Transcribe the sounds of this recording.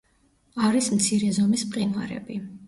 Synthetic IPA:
aɾismt̪sʰiɾɛzɔmispʼqʼinva̰ɾɛ̰bi

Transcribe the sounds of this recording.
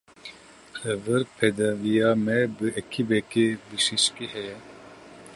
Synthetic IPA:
xɛvɨɾpʰɛd̪ɛvijɑːmɛbɨʔɛkʰibɛkebiʃiʃkihɛjɛ

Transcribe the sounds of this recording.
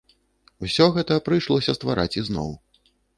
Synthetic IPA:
wsʲɔɣɛt̪ɐpɾɨjʂlˠɔsʲɐst̪vaɾa̰t͡sʲiznɔ̰w

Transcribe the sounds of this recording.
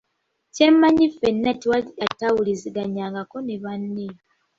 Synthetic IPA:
cemːaɲifenːatiwaliatawuliziɡaɲaːŋɡako̞neβanːi

